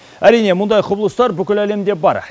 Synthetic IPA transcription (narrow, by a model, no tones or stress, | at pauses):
æɾijne̞mʊnd̪ɑjqʰʊblˠəst̪ɑɾbʏkʲɪlæle̞md̪e̞bɑɾ